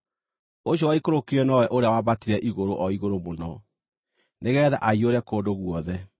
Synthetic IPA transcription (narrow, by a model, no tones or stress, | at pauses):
oɕ̬jɔwaikoɾokiɾɛnɔwɛʔoɾeawabatiɾɛʔiɣoɾoʔɔiɣoɾomonɔ | neɣɛːðaʔaioɾɛkoːdoɣwɔðɛ